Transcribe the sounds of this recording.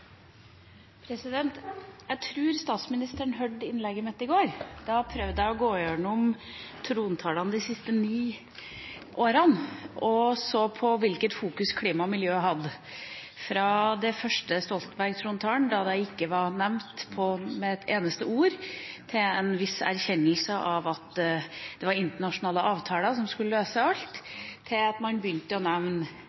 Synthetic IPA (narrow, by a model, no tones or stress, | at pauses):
pʰɾɛsɪd̪ɛnt̪jæɪt̪ʰɾʉːɾst̪ɑːt̪smɪnɪst̪əɳɦœɖɪnlɛɡːəmɛt̪ːɪɡoːɾd̪̥ɑpʰɾœʋd̪əæɪɔɡoːjøːɳəɔm | t̪ʰɾuːnt̪ʰɑːlɑnəd̪ɪsɪst̪əniː | ʔoːɾɑnʔɔsoːpʰɔʋɪlkət̪fuːkʉskʰliːmɑmɪljøːɦɑd̪ːə | fɾɑd̪ɛfœʂʈəst̪ɔlt̪n̩bæɾɡt̪ʰɾuːnt̪ʰɑːɳd̪ɑd̪æɪɪkːəʋɑɾnɛʋmt̪pʰɔmɛt̪ʰeːnəst̪əuːɾt̪ʰɪlɛnʋɪsæ̰ɾçɛnːəlsəʔɑʋɑt̪d̪̥ɛʋɑɾɪnt̪əɳɑʂʊnɑːləʔɑːʋt̪ʰɑːləsɔmskʉlːəløːsəɑlt̪ʰː | ɪlɑt̪mɑnbjʏnt̪əɔnɛʋn